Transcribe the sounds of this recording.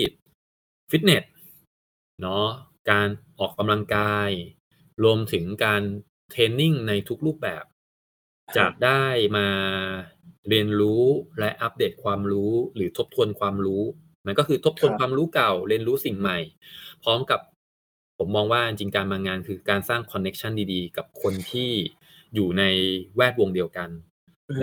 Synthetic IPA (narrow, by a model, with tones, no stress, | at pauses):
si˨˩t̪̚ | fi˦˥t̪̚ne˨˩t̪̚ | nɔ˦˥kaː˧nʔɔː˨˩kːa˧mla˧ŋkaː˧j | ɾu˧əmt̪ʰɯ˩˦ŋkaː˧n | t̪ʰeː˧ni˥˩ŋna˧jt̪ʰu˦˥k̚ɾuː˥˩p̚bɛ̰ː˨˩p̚ | t͡ɕa̰ː˨˩k̚daː˥˩jmaː˧ | ɾi˧ənɾuː˦˥lɛ˦˥ʔa˦˥p̚deː˨˩t̪̚kʰwaː˧mɾuː˦˥ɾɯː˩˦t̪ʰo˦˥p̚t̪ʰu˧ənkʰwaː˧mɾuː˦˥ | ma˧nkɔː˥˩kʰɯː˧o˦˥p̚t̪ʰu˧ənkwaː˧mɾuː˦˥ka˨˩wɾi˧ənɾuː˦˥si˨˩ŋma˨˩jpʰɾɔː˦˥mka˨˩p̚ʰː | o˩˦mːɔː˧ŋwaː˥˩i˧nt͡ɕi˧ŋkaː˧nmaː˧ŋaː˧nkʰɯː˧kaː˧nsaː˥˩ŋkʰɔ˧nːe˦˥k̚t͡ɕʰa˥˩ndiː˧diː˧ka˨˩p̚kʰo˧nt̪ʰiː˥˩ | juː˨˩na˧jwɛː˥˩t̪̚wo˧ŋdi˧əwka˧n